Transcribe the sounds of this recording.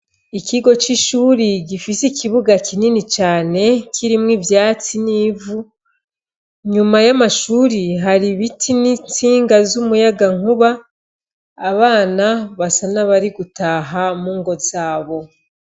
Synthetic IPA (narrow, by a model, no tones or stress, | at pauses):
ikiɡo̞t͡ʃiʃuːɾiɡifisikʰiβuɡakininit͡ʃaːne̞kʰiɾimŋivjaːt͡siniːvu | ɲumajamaʃuːɾiɦaɾiβitʰinint͡siːŋɡazumujaɡaŋ̥uβaː | βaːnaβasanaβaɾiɡutaːɦamuŋɡo̞zaːβo̞